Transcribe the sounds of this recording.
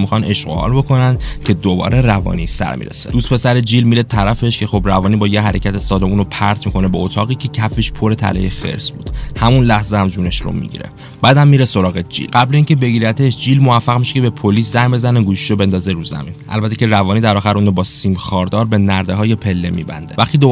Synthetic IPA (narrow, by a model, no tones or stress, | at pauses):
mixɒne̞ʃɢo̰hɒ̰ːlbo̞kʰo̞nænd̪̥cʰe̞d̪obɒ̰ːɾʔe̞rævɒ̰ːnisæ̰ɾmḭɾḛsed̪̥uːst̪pʰe̞sæɾed͡ʒiːlmiɾet̪ʰæɾæfe̞ʃcʰe̞xo̞bɾævɒːnibɒːjeɦæɾecʰæt̪ʰesɒːd̪o̞muːnopʰæɾt̪ʰmikʰo̞ne̞beot̪ʰɒːɣiːcʰe̞cʰæfiʃpʰo̞ɾe̞t̪ʰæ̰lḛjefe̞̰ɾzbṵːd̪̥hæmunlæhzeæmd͡ʒuːne̞ʃro̰mḭɟḭɾḛ | b̥æːd̪æmːiɾeso̞ɾɒːɣed͡ʒḭlɢæbleiːncʰe̞be̞ɟiːɾæt̪ʰeʃd͡ʒiːlmovæfːæɣmiʃekcʰebe̞pʰoliːszæjmbe̞zæneɡuːʃi̥ʃobe̞nd̪ɒːze̞ɾuzæ̰minʔæ̰lbæt̪ʰːecʰe̞ɾævɒːniːd̪æɾɒːxæɾʔuːnobɒːsimxɒːɾd̪ɒːɾbe̞næɾd̪eɦɒːje̞pʰelːe̞mḭːbæ̰nd̪evæxt̪id̪o